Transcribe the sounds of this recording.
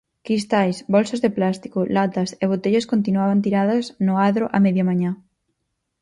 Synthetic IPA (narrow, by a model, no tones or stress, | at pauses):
kɾist̪ajsbɔlsɐzðeplast̪i̥kolat̪ɐseβ̞ot̪eʎɐskont̪̬inwaβant̪̬iɾaðɐznʊaðɾoʔameðjamãɲa